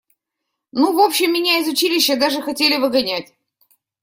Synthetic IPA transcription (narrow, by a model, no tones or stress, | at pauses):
nuvo̞pɕːɪmːʲɪnʲaɪzʊt͡ɕilʲɪɕːəd̪aʐɨxɐtʲelʲɪvɨɡɐnʲætʲ